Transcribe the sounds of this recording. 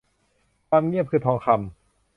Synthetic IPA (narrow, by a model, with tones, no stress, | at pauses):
taː˧mŋi˥˩əp̚kʰɯː˧˩t̪ʰɔː˨˩˦ŋkʰa˧m